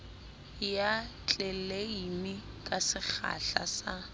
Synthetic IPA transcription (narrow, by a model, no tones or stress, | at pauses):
jat͡ɬʼɛleini | kʼasɪk͡xʰa̰ɬa̰sa